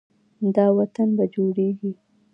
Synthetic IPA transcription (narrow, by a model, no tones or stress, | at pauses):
d̪ɑwat̪anbad͡ʒoɽeɡi